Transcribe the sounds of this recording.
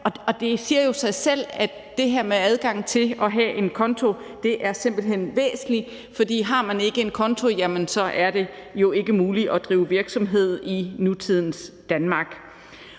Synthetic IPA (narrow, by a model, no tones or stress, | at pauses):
ʔɒ̽ɒ̽d̥e̝siɐjo̝sɑ̈ɪsel̰æd | d̥e̝ɦæɐ̰meæð̞ˠɡ̥ɑ̈ŋ̰t͡sʰe̝ɒ̽ɦæʔe̝nkʰɒ̽nt͡sʰo̝ | d̥e̝ʔæɐse̝m̰b̥l̩ɦen̰ʋḛːsn̩li | fɒ̽d̥ḭːɦɑ̈mæne̝ɡ̥əe̝nkʰɒ̽nt͡sʰo̝jæmənsɒ̽ʔæɐd̥e̝jo̝e̝ɡ̥əmuːliʔɒ̽d̥ʁiːʊʋiɐɡ̥sɒ̽mɦe̝ð̞̰ˠinut͡sʰið̞̰ˠn̩sd̥ænmɑ̈ːɡ̥